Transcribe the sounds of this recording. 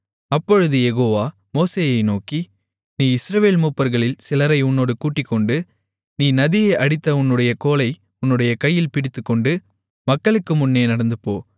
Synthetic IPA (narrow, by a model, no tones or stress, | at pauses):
ɐpːɔɻɯðɯjɛɣoːʋaː | moːseːjɐɪnoːki | niːɪsɾɐʋeːlmuːpːɐɾɣɐɭɪlsɪlɐɾɐɪʊnːoːɽɯkuːʈːɪkːɔɳɖɯ | niːnɐðɪjɐʔɐɽɪt̪ːɐʊnːɯɽɐjɐkoːlɐɪ | ʊnːɯɽɐjɐkɐjːɪlpɪɽɪt̪ːɯkːɔɳɖɯ | mɐkːɐɭɯkːɯmʊnːeːnɐɽɐnd̪ɯpːo̰ː